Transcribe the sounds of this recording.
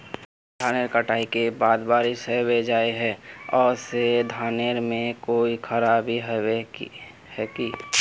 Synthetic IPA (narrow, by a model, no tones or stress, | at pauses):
d̪ʱaːneɾkəʈaːikebaːd̪baːɾiseʋed͡ʒaːeɦɛ̃ːɔːɾsed̪ʱaːneɾmẽkoːikʰəɾaːbiɦɛ | hɛkiː